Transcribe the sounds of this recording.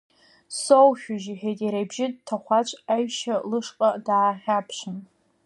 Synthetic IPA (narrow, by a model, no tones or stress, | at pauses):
sowʃʲᶣʊʒiħᶣejtʼiɾajbʒɪdtʰaχʷat͡ʃʷʼajʃalɨʂqʼadaːχʲapʰʃʷɨn